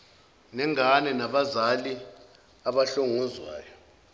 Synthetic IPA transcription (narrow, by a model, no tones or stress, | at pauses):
nɛŋanɛnaɓazali | aɓaɬoŋuzwa̰ːjɔ